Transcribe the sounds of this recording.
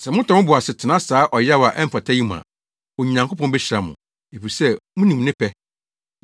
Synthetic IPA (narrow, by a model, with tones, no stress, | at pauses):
sɛ˨mʊ̃˦tʰɔ˨˦mʊ̃˦bʊ˨a˨sɪ˨tʰɪ˨nã˦saː˨˦ʔɔ˨ja˦wa˨ʔɛ˦m̩˦fa˨tʰa˦ji˦mʊ̃˨ã̰˨ | ɔ˨ɲĩ˨nã˨ŋkʰʊ˦pʰɔ̃˦bɛ˦ɕɪ˨ɾa˨mʊ̰̃˨ | e˨fi˨ɾi˨sɛ˦mʊ̃˦nĩ˨m˨nɪ̃˦pʰɛ˦